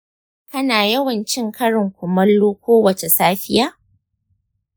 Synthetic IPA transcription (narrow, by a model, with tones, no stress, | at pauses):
kɐ˦naː˨jɐ˦wɐ˨nt͡ʃɪ˦ŋkʰɐ˦ɽɪ˨ŋkʷʊ˨mɐ˦lːuː˦kʷoː˦wɐ˨t͡ʃe˨saː˦ɸɪ˦jaː˦